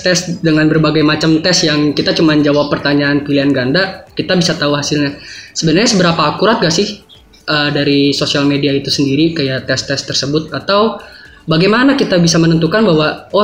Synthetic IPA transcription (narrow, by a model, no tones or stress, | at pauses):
t̪ɛsdəŋanbərbaɡajmat͡ʃamt̪ɛsjaŋkit̪at͡ʃumand͡ʒawapːərt̪aɲaːnpiliɦanɡandakit̪abisat̪auɦasɪlɲasəbənərɲasəbəɾapaːkuɾat̪̚ɡaʔsɪh | ʔəːdaɾisosialmediait̪usəndiɾikajaʔt̪ɛst̪ɛst̪ərsəbʊt̪̚at̪aw | baɡajmanakit̪abisamənənt̪ukanbaɦwaɔ